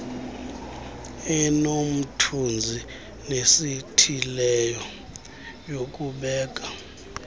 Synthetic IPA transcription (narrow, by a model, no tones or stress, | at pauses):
ɛnom̩tʰund͡zʱi | nesitʰilɛjɔ | jok̬ʼuɓɛːk̬ʼa